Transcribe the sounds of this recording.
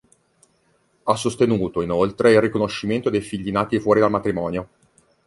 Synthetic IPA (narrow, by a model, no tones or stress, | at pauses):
asːost̪enuːt̪oinolt̪ɾeilrikonoʃːiment̪od̪ejfiʎːinaːt̪ifwɔːɾid̪almat̪ɾimɔːnjo